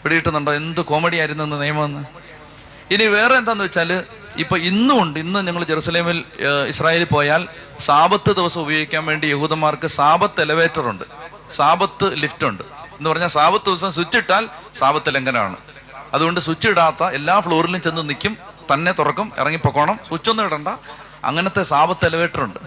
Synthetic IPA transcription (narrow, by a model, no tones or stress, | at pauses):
ʋeɽijiʈːɨnuɳɖoenːd̪ɨko̞ːmeɽijaːjiɾunːue̞nːɨnijɐmɐmenːɨ | iniʋe̞ːreend̪aːnːɨʋet͡ɕːaːlɨ | ipːoːinːuuɳɖɨinːɨɲɐŋːɐɭd͡ʑe̞ɾuːsɐle̞ːmilisraːje̞ːlpo̞ːjaːl | saːbɐt̪ːɨd̪iʋɐsɐmubɐjoːɡikʲːaːnʋe̞ːɳɖijehuːðɐmaːrkɨsaːbɐt̪ːelɐʋe̞ːtːɐruɳɖɨ | saːbɐt̪ːɨliftuɳɖɨenːupɐrɐɲːaːlsaːbɐt̪ːɨd̪iʋɐs̬ɐms̬ut͡ɕːiʈːaːlsaːbɐt̪ːileŋɡɐnɐma̰ːɳɨ̰ | ɐðuɣo̞ɳɖɨsut͡ɕːiiɽaːt̪ːɐe̞lːaːfɭo̞ːrilumt͡ɕe̞nːunikʲːum | t̪ɐnːe̞t̪urɐkːumḭrɐŋːipːokːo̞ːɳɐmsut͡ɕːonːuʋiɽɐɳɖɐ | ɐ̰ŋːɐnɐt̪ːe̞saːbɐt̪ːelɐʋe̞ːʈːɐruɳɖɨ